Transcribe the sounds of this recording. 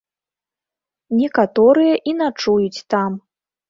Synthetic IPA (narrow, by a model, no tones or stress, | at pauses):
nʲɛkat̪ɔɾɨjɐʔinat͡ʂujut͡sʲt̪am